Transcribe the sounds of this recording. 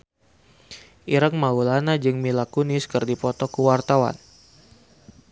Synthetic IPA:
ʔiɾəŋmaulanad͡ʒɨŋmilakunɪskɨrdipɔt̪ɔkuwart̪awa̰n

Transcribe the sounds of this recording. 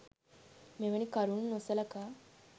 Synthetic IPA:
meʋeɽ̃ikaɾuːnːosalaka

